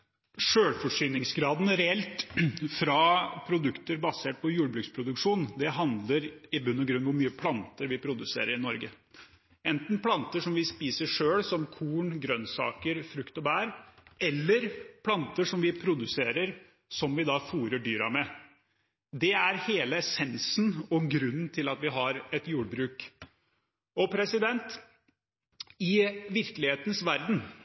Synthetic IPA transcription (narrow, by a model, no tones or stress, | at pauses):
ʂøːɽfɔʂyːnɪŋsɡɾɑːd̪n̩ɾɛɛlt̪fɾɑpʰɾʊd̪ʉkt̪əɾbɑseːʈ̚pʰɔjuːɽbɾʉkspʰɾʊd̪ʉkʂuːnd̪ɛɦɑnd̪ləɾɪbʉnːɔɡɾʉnʋʊɾmyːəpʰlɑnt̪əɾʋɪpʰɾʊd̪ʉsḛːɾəɾɪnɔɾɡə | ɛnt̪n̩pʰlɑnt̪əʂɔmʋɪspiːsəʂøːɽsɔmkʰuːɳɡɾœnsɑ̰ːkəɾfɾʉkt̪ɔbæːɾɛlːəɾpʰlɑnt̪əʂɔmʋɪpʰɾʊd̪ʉseːɾəɾ | sɔmʋɪd̪ɑfuːɾəɖyːɾɑ̰mɛ | d̪ɛæɾheːləsɛnsn̩ɔɡɾʉnːnt̪ʰɪlɑt̪ʋɪɦɑɾɛt̪juːɖ̚bɾʉːk | ɔpʰɾɛsɪd̪ɛnt̪ | ɪʋɪɾkəlɪheːt̪nsʋæɾd̪n̩